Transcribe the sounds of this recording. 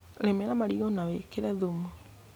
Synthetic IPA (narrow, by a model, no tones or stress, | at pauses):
lemɛɾamaɾiɣɔnawekeɾɛðomɔ